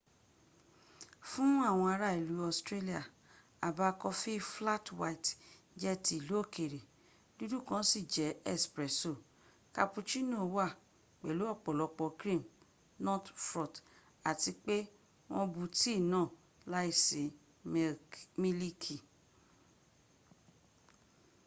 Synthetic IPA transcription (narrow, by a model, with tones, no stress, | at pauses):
fũ˦a˦˨w̃ɔ̃˧a˧ɾa˦˨i˨lu˨˦ɔ˧˨stɾe˦li˦a˨ | a˨ba˧kɔ˧fi˦fla˦twa˧i˨t | d͡ʒɛ˦ti˧˨lu˦o˦˨kʰe˨ɾe˨ | du˦du˦˨kã˦si˦˨d͡ʒɛ˨˦ɛ˦spɾɛ˨˦so˦˨ | ka˧pu˧t͡ʃi˦nõ˦˨˦wa˦˨ | k͡pɛ˨lu˨˦ɔ˦˨k͡pɔ˨lɔ˧k͡pɔ˧kɾĩ˦˨m | nɔ̃˦tfɾɔ˨t | a˨ti˧k͡pe˦ | w̃ɔ̃˧bu˧ti˦˨nãː˦˨ | la˦i˦˨se˨ | mĩ˦li˦kʰi˨